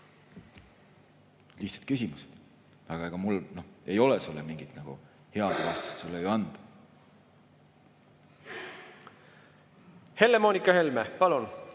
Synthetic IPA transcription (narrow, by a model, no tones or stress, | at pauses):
liht̪sɑ̥t̪kysimused̪̥ | ɑɡ̥ɑeɡ̥ɑmulno̞he̞jo̞lesulːemiŋɡ̥it̪nɑɡ̥ṵ | he̞ɑd̪̥vɑːst̪u̥st̪sulːejoɑnd̪̥ | he̞lːe̞mo̞ːnʲikːˑɑhe̞lmepɑlun